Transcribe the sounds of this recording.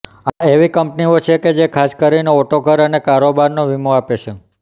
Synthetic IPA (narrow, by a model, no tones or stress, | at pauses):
aeʋikəmpniot͡ʃʰeked͡ʒekʰaskəɾineoʈokəɾənekaɾobaɾnoʋimoapet͡ʃʰe